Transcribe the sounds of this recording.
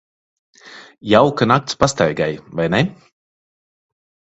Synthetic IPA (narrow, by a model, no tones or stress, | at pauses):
jawkanak̚t̪spast̪ajɡajvajnɛ